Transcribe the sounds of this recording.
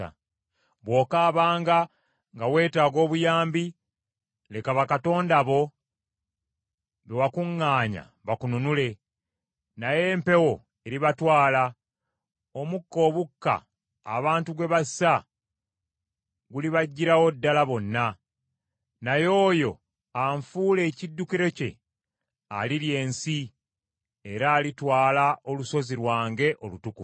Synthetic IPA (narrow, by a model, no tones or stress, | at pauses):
a̰ | βwo̞ːkaːβaːŋɡa | ŋɡawe̞ːtaːɡo̞ːβujaːmbi | le̞kaβakato̞ːndaβo̞ | βewakuŋːaːɲa̰ | βakununule̞ | naje̞ːmpe̞wo̞ | eɾiβatwaːla | o̞mukːo̞ːβukːa̰ː | βaːntuɡwe̞βasa | ɡuliβaɟːiɾawo̞dːalaβo̞nːa | najo̞ːjo̞ | aɱfuːle̞ːcidːukiɾe̞ce̞ | a̰liɾje̞ːnsi | eɾaːlitwaːlao̞luso̞ziɾwaːŋɡe̞ʔo̞lutuku